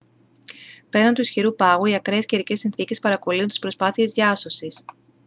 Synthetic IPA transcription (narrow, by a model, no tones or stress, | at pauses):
pe̞ɾɐnt̪uisçiɾupɐɣuiɐkɾeesceɾice̞sinθice̞spɐɾɐko̞liunt̪i̥spɾo̞spɐθie̞zðʝɐso̞sis